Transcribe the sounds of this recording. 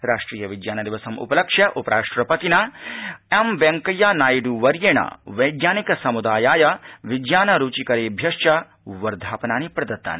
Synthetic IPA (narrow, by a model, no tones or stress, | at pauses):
ɾaːʂʈɾiːjɐʋid͡ʒjaːnɐd̪iʋɐsɐmṵpɐlɐkʂjɐʔupɐɾaːʂʈɾɐpɐt̪inaːemʋeŋkɐjaːnaːjɖuʋɐɾjeːɳɐ̰ʋɐjɡnjaːnikɐsɐmud̪aːjaːjɐʋidjaːnɐɾuːt͡ʃikɐɾeːbʱjɐʃt͡ʃɐ | ʋɐɾd̪ʱaːpɐnaːnipɾɐd̪ɐt̪ːa̰ːni